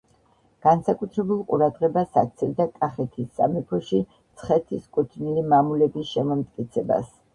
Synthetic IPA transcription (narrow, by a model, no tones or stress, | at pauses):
ɡ̥ansakʼut̪ʰɾɛbulˠqʼṵɾad̪ʁɛbasa̰k̚t̪sʰɛld̪akʼaχɛt̪ʰisːa̰mɛpʰɔʃi | t̪sʰχɛt̪ʰiskʼut̪ʰnilimamulɛbisʃɛmɔmt̪ʼkʼit̪sʰɛba̰s